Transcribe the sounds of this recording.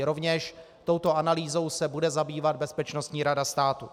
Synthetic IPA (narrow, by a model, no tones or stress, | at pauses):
ɾo̞vɲɛʃ | t̪o̞wt̪o̞analiːzo̞wsɛbudɛzabiːvad̪̚bɛspɛt͡ʃnost̪ɲiːɾadast̪aːt̪u